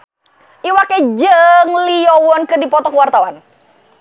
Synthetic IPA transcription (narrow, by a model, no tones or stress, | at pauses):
ʔiwaked͡ʒəŋlijɔwɔnkɨrdipɔt̪ɔkəwart̪awan